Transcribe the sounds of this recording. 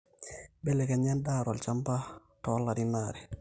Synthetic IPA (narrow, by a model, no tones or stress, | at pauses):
bɛlɛkaɲandaːɾalt͡ʃampa | tɔlːadinaːɾɛ